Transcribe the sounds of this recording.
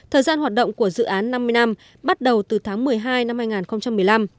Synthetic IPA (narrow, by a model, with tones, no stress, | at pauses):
t̪ʰəː˨˩zaː˧nhaː˨˩t̚ɗə̰˧˨wŋ͡mku˧˩əzɨ̰˧˨ʔaː˨˦nːa˧mːɨ˧əjna˧m | ɓa˦˥t̚ɗə˨˩wt̪ɨ˨˩t̪ʰaː˨˦ŋmɨ˨˩əjɦaː˧jna˧mhaː˧jŋaː˨˩nxə˧wŋ͡mt͡ɕa˧mːɨ˨˩əjla˧m